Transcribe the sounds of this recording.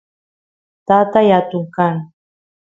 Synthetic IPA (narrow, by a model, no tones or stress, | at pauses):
t̪at̪ajat̪ʊŋkaŋ